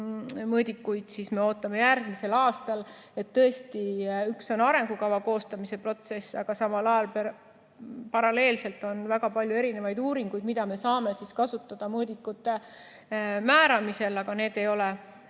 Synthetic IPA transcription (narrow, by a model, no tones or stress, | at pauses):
mɤːd̪ikːujd̪̥sisme̞o̞ːt̪ːˑɑme̞jærɡ̥mise̞lɑːst̪ɑle̞t̪ːɤ̞e̞st̪iykso̞nɑɾe̞ŋɡ̥ukɑvɑko̞ːst̪ɑmise̞pro̞t̪se̞sːɑɡ̥ɑsɑmɑlɑjɑlp | pɑɾɑle̞ːlse̞lt̪ːˑo̞nvæɡ̥ɑpɑlʲjue̞ɾine̞vɑjd̪uːɾiŋɡ̥ujd̪mid̪̥ɑme̞sɑːme̞siskɑsut̪ːˑɑd̪̥ɑmɤːd̪ikːˑut̪ːe̞ | mæːɾɑmise̞lɑɡ̥ɑne̞ːd̪̥e̞jo̞le